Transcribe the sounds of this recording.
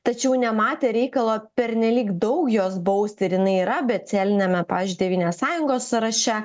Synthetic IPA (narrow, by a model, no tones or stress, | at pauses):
t̪ɐt͡ʃʲɛʊnʲɛmɑːt̪ʲeːɾʲɛɪkɐlˠoːpʲɛɾʲnʲɛlʲiːkd̪ɒʊkjoːsbɐʊsʲt̪ʲɪɾjɪnɐɪiːɾɐbʲɛt̪t̪sʲælʲɪnʲɛmʲɛpɑːʋʲɪzd͡ʒʲʊːdʲɛʋʲiːnʲeːssɑːjʊŋɡoːsɐɾɐʃʲɛ